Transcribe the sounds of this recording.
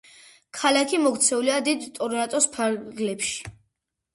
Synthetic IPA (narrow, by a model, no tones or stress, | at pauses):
kʰalakʰimɔɡt̪sʰɛuliad̪id̪t̪ʼɔɾnat̪ʼɔspʰaɾɡlɛpʃi̥